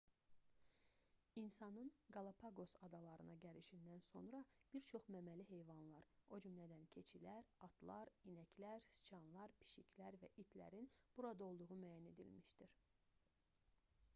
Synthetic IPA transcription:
insɑnɯnɡɑlˠɑpʰɑɡo̞sɑd̪ɑlˠɑɾɯnɑɟæɾiʃind̪ænso̞̰nɾɑb̥iɾt͡ʃʰo̞χmæmæliɦe̞jvɑnlˠɑɾo̞d͡ʒymlæd̪æncʰe̞t͡ʃʰilæɾɑt̪lˠɑɾinæcʰlæɾsi̥t͡ʃʰɑnlˠɑɾpʰi̥ʃicʰlæɾvæ̰ʔit̪ʰlæ̰ɾinb̥uɾɑd̪ɑo̞lˠd̪uʁumæːjæne̞d̪ḭlmiʃd̪iɾ

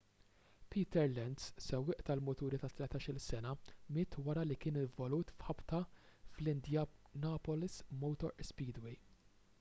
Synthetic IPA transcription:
pʰiːt̪ɛɾlɛnd̪ssɛwːɪːʔt̪ɐlmʊt̪uːɾit̪ɐt̪lɛt̪ɐːʃɪlsɛnɐmɪːt̪wɐɾɐlikɪːnɪɱvɔluːt̪fħɐpt̪ɐflɪnd̪jɐnɐːpɔlɪsmɔwt̪ɔɾspiːd̪wɛj

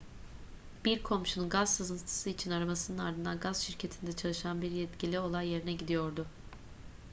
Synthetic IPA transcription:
b̥iɾkʰo̞mʃununɡazsazɯnt̪ʰɯ̥sɯit͡ʃʰinaɾamasɯnɯnaɾd̪ɯnd̪anɡazʃiɾcʰe̞t̪ʰind̪ɛt͡ʃʰalˠɯʃanbiɾjɛt̪cʰilʲio̞lˠajːe̞ɾinɛɟid̪ijo̞ɾd̪ʊ

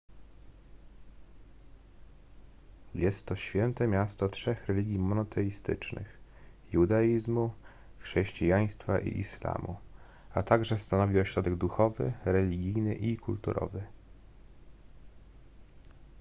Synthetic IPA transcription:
jɛst̪ːɔɕfʲjɛnt̪ɛmʲjast̪ɔtʂɛxɾɛlʲiɡʲimɔnɔt̪ʰɛjist̪ɘ̰t͡ʂnɘ̰x | jud̪ajizmu | xʂɛɕt͡ɕijaj̃st̪faʔḭʔḭʃla̰mu | at̪aɡʐɛst̪anɔvʲiɔɕɾɔd̪ɛɡd̪uxɔvɘ̰ɾɛlʲiɡʲijnɘʔikʰult̪ṵɾʔɔ̰vɘ

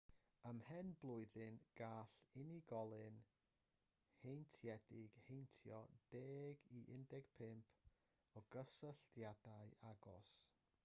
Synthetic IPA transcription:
əmhɛnblˠʊɨðɨnɡ̥aːɬɪniɡɔlˠɨn | hejntʰjɛdɪɡ̥hejntʰjɔd̥eːɡiʔɪndɛɡ̥pʰɪmpʰ | ɔɡ̥əsəɬtjad̥aɨaɡɔs

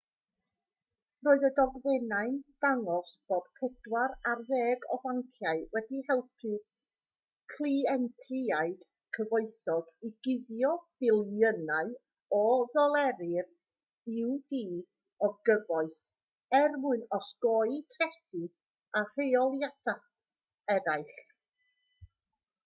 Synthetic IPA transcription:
roːɨðədɔɡðɛnaɨnd̥aŋɔsb̥oːd̥pʰɛd̥waɾarðeːɡɔvaŋkʰjaɨwɛdihɛlˠpʰi | kʰliɛntʰɪaɨd̥ | kʰəvoɨθɔɡiɡɪðjɔb̥ɪlˠənaɨ | ɔðɔlˠɛɾɪr | ɪwdiː | ɔɡəvɔɨθ | ɛrmʊɨnɔsɡ̥ɔjtʰrɛsɨ | ar̥eɔlˠjadaθ | ɛɾaɨɬ

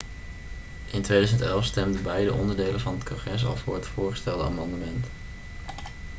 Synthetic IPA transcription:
ʔɪntʋejdœzəntɛlˠfstɛmdənbɛjdəʔɔndəɹdejlənvɑnɦətkɔ̃χrɛs̬ɑ̰lˠvʊːɹɦətfʊːɹχəstɛlˠdəa̰ːmɑndəmɛnt

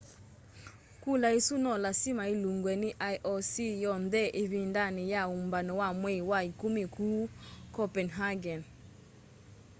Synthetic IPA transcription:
kulaisunɔlasimailuŋɡwɛniʔajʔɔsijɔndɛʔeβindanijaumbanɔwamwewaikumikukɔpɛnɦaɡɛn

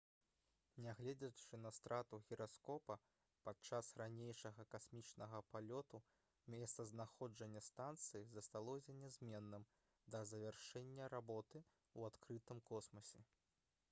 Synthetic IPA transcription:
nʲaɣlʲɛd͡zʲɐt͡ʂɨnɐst̪ɾʔat̪uɣʲiɾaskɔpɐ | pat͡ʂasranʲejʂɐɣɐkasmʲit͡ʂnɐɣɐpalʲɔt̪u | mʲɛst̪sɐznaxɔd͡ʐɐnʲːɐst̪ant̪sɨjizɐst̪alˠɔsʲɐnʲɛzʲmʲɛnːɨm | d̪ɐzɐvʲɛrʂɛnʲːɐɾabɔt̪ɨ | uat̪kɾɨt̪ɨmkɔsmɐsʲɛ

